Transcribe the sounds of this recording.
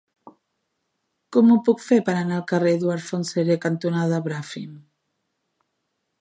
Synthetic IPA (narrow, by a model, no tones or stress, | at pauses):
kɔmupukfepaɾanalkareðuaɾfonseɾekant̪unaðaβɾafim